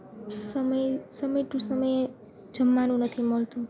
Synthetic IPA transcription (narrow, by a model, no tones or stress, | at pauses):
səməjsəməjʈ̪ũsəməje | d͡ʒəmːanũnət̪ʰiməɭt̪ũ